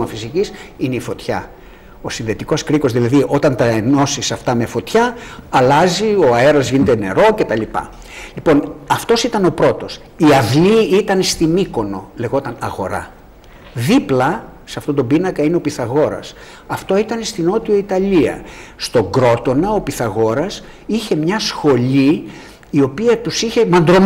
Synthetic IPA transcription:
ɐfisicisineifo̞t̪çɐ̰ | o̞sinðe̞t̪iko̞skɾiko̞zðilɐðiʔo̞t̪ɐnt̪ɐeno̞sisɐft̪ɐme̞fo̞t̪çɐɐlɐzio̞ɐe̞ɾɐzʝinet̪ene̞̰ɾo̞ce̞t̪ɐlipɐ̰ | lipo̞nɐft̪o̞sit̪ɐno̞pɾo̞t̪o̞s | iɐvliit̪ɐnst̪imiko̞no̞le̞ɣo̞t̪ɐnɐɣo̞̰ɾɐ̰ | ðiplɐsɐft̪o̞t̪o̞binɐkɐineo̞piθɐɣo̞ɾɐ̰s | ɐft̪o̞it̪ɐnest̪ino̞t̪ioit̪ɐliɐ̰st̪o̞ɡɾo̞t̪o̞nɐo̞piθɐɣo̞ɾɐs | içe̞mɲɐsxo̞ʎiː | o̞piɐt̪usiçe̞mɐnd̪ɾo̞m

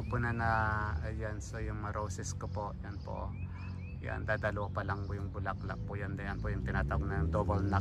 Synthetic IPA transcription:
pʊnanajansojʊŋmaɾosɛskopoʔjanpo̰ | ja̰nd̪aːd̪aloʔpalaŋkojʊŋbʊlakla̰ʔ̚pʊʔjand̪ajanpojʊŋt̪ɪnaːt̪awoɡ̚najʊŋd̪obolna

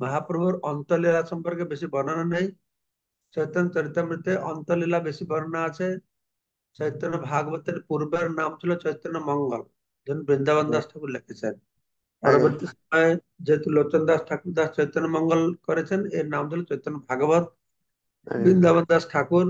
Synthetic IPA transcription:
mɔɦapɾɔbʱuɾɔnt̪ɔlilasɔmpɔɾkebesibɔnananaɦĩ | t͡ʃɔjt̪ɔnt͡ʃɔɾit̪ːɾɔmɾit̪ːeʔɔnt̪ɔlilabesibɔnɔnaːt͡ʃʰe | t͡ʃɔjt̪ɔnːɔbʱaɡɔbd̪eɾpuɾbeɾnamt͡ʃʰilɔt͡ʃɔjt̪ɾɔnːɔmɔŋɡɔl | d͡ʒɔnubɾind̪abɔnd̪asʈʰakuɾlekʰet͡ʃʰen | paɾɔbɔɾt̪isɔmɔe | d͡ʒeɦet̪ulot͡ʃɔnd̪asʈʰakuɾd̪ast͡ʃɔjt̪ɔnɔmɔŋɡɔlkɔɾet͡ʃʰeneɾnamt͡ʃʰilɔt͡ʃɔjt̪ɔnːɔbʱaɡɔbɔd̪̚ | bɾind̪abɔnd̪asʈʰakuɾ

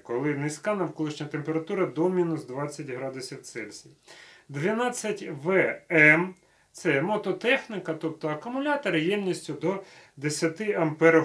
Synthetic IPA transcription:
kɔlˠɪnɪsʲkɑnɐwkɔlˠɪʃnʲɐt̪empeɾɐt̪uɾɐd̪ɔmʲinʊsd̪ʋɑt͡sʲːɐtʲɦɾɑd̪ʊsʲiwt̪sɛlʲsʲid̪ʋʲɪnɑt͡sʲːɐtʲʋɛɛm | t̪sɛmɔt̪ɔt̪ɛxnɪkɐt̪ɔp̚t̪ɔɐkʊmʊlʲɑt̪ɐɾɪjɛmnʲisʲtʲʊd̪ɔ | d̪esʲɐt̪ɪɐmpɛɾɔ

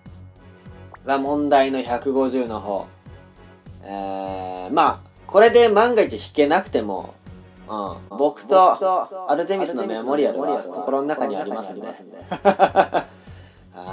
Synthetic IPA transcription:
zamõ̞nd̪aino̞çakɯ̟ɡo̞ʑɨːno̞ɦo̞̰ː | ema | kʰo̞ɾe̞d̪e̞mãŋɡait͡ɕiçi̥ke̞nakɯ̟t̪e̞mo̞̰ | ɯ̃bo̞kɯ̟̥t̪o̞aɾɯ̟t̪e̞mʲisɨnomemo̞ɾʲiaɾɯ̰kʰo̞ko̞ɾononakaɲ̟iaɾiamasɨ̃nd̪ḛe | ha

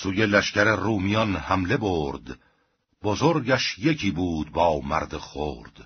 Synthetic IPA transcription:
suːje̞læʃcæɾeruːmijɒnhæmle̞boːɾd̪ | bozoɾɟæʃje̞cʰiːbuːd̪bɒːwmæ̰ɾd̪eχo̰ːɾd̪̥

